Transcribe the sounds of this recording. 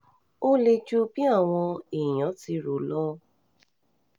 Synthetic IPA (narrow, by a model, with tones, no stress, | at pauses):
o˦le˧d͡ʒu˦bi˦a˦˨w̃ɔ̃˧i˨j̃ã˨˦ti˧ɾo˨lɔ˦˧